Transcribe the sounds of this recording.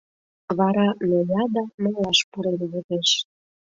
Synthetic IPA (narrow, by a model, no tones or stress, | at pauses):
βɑɾɑmelʲɑd̪ɑməlɑʃpuɾenβut̪eʃ